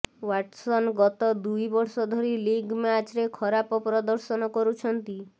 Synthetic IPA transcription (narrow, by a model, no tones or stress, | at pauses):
waʈsɔnɡɔt̪ɔd̪ujbɔɾsɔd̪ʱɔɾiliɡmat͡ʃɾekʰɔɾapɔpɾɔd̪ɔɾsɔnɔkɔɾut͡ʃʰɔnt̪i